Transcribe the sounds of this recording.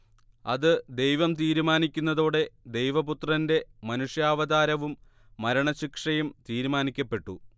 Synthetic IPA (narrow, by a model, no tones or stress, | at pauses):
ɐ̰ðɨd̪e̞jʋɐmt̪iːɾumaːnikʲːunːɐðoːɽe̞d̪e̞jʋɐput̪rɐnde̞mɐnuʂjaːʋɐðaːɾɐʋumː | ɐɾɐɳɐɕikʂɐjumt̪iːɾumaːnikʲːɐpːe̞ʈːu